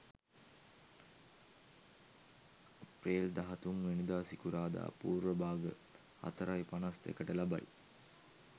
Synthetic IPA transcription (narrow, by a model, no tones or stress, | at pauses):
apreːld̪aɦɐt̪uŋʋinid̪aːsikuɾaːd̪a̰ːpuːɾʋəbaːɡə | a̰t̪əɾajpanast̪ḛkəʈəlaba̰j